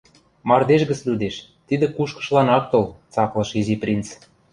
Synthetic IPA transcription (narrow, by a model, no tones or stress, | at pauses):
mɑrd̪eʃɡə̆t͡slud̪eʃt̪id̪ĕkuʃkɤ̥̆ʃlɑnɑk̚t̪ɤ̆lt͡sɑklɤ̆ʃiziprʲint͡s